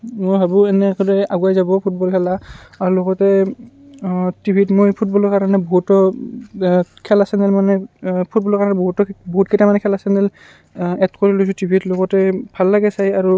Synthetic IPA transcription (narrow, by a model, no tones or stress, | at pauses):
mobʱabʊɛnɛkɔdɛaɡuajzabɔpʰutbɔlkʰɛlaaɹuloɡɔtɛ | tibʱitmojpʰut̚bɔlɔɹkaɹanɛboɦutɔ | kʰɛlasɛnɛlmanɛpʰutbɔlɔɹkaɹanɛboɦutɔboɦutketamanɛkʰɛlasɛnɛl | ɛtkoɹilojs̬ʊ̃tibʱitloɡɔtɛbʱalːaɡɛsajaɹu